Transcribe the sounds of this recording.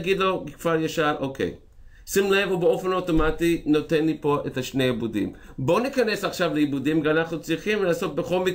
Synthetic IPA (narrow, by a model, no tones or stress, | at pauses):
ɡid̪lo̞kv̥aʁjaʃalʔokʰḛj | simle̞vubeo̞fe̞noto̞matino̞te̞nlipo̞ʔet̪aʃne̞jabudḭm | bo̞nikane̞saχʃavleibudimveanaχnut͡sʁiχimlaːso̞t̪̚be̞χo̞lmik